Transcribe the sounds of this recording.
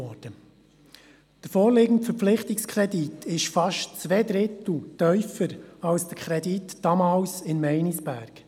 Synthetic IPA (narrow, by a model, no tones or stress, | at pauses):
ɔːd̥ə | d̪̥əɾfɔːɾlɪɡən̩tfəɾflɪχtɪkskʰɾɛditʰɪʃfɑʃtt͡sʋeːd̪ɾɪtl̩tœʏfəɾɑlsd̥əkʰɾɛditd̥ɑmɑːlsɪnmɛɪnisb̥æːɾɡ̥